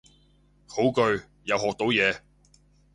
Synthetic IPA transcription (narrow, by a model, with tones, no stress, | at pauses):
ho˨˥wkɵ˧ɥ | jɐ˨wɦɔː˨k̚t̪o˨˥wjɛː˨˧